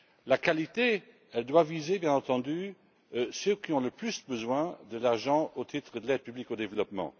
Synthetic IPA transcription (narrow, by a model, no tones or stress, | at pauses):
lakalit̪e | ɛld̪wavizebjɛ̃nɑ̃t̪ɑ̃d̪y | søkiɔ̃ləplysbəzwɛ̃d̪əlaʁʒɑ̃ot̪ʰit̪χəd̪əlɛd̪̚pyblikod̪evəlɔpmɑ̰̃